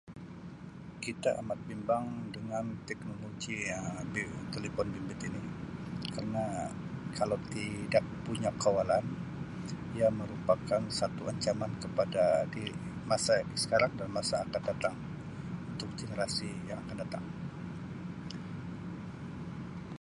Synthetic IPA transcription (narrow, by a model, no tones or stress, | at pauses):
kit̪aʔamat̪̚bimbaŋdəŋant̪ɛk̚noloɡibt̪elefɔnbimbɪt̪inikərənakʰalawt̪idaʔpuɲakːawalan | iaməɾupakansat̪uʔaɲt͡ʃamankəpadadi | masasə̥kaɾaŋdanmasaːkadat̪aŋ | unt̪ʊk̚d͡ʒənəɾasijaŋakandat̪aŋ